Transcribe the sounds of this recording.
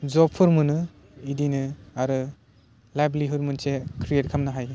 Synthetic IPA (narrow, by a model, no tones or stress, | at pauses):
zɔpʰːɯɾmɯnɯ | idinɯaɾɯ | lajbliɦuɾmɯnsekʰɾijet̚kʰamnaɦaj